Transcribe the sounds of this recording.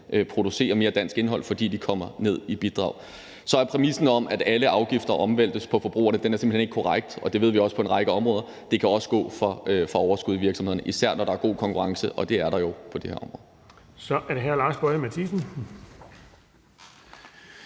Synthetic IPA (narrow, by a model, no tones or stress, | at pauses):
ʔpʰʁo̝d̥use̝̰ːɐme̝ːɐd̥æn̰sɡ̥e̝nɦɒ̽l̰fɒ̽d̥ḭːd̥ikʰɒ̽m̰ɐne̝ð̞̰ˠib̥id̥ʁɑ̰̈ʊ̰ | sɒ̽æɐpʰʁɛmisn̩ɒ̽mʔæd̥æləʔɑ̈ʊɡ̥ifd̥ɐʔɒ̽mʋel̰d̥əspʰɒ̽fɒ̽b̥ʁṵːɐnəd̥enæɐse̝mbl̩hene̝ɡ̥kʰoʁaɡ̥̚d̥ɒ̽d̥e̝ʋe̝ð̞̰ˠʋiɒ̽sə̥pʰɒ̽e̝nʁɑ̈ɪɡ̥əɒ̽mʁɔ̽ːðˠɐ | d̥e̝kʰæɒ̽sə̥ɡ̥ɔ̰̽ːfɒ̽fɒɒʊɐsɡ̥uðˠʋiɐ̥sɒmh̝ð̰ˠɐnʔisæɐ̰nɒɾ̥ɑ̈æɐɡ̥o̝̰ːkʰɒ̽ŋkʰuʁɑ̈ŋsəʔɒ̽d̥e̝æɐɾɑ̈jo̝pʰɒ̽d̥e̝hḛɐɒ̽mʁɔ̽ːð̩ˠ | sɒʔæɐɾeɦæɐ̰lɑ̈ːsb̥ɔɪɐmæt͡sʰisn̩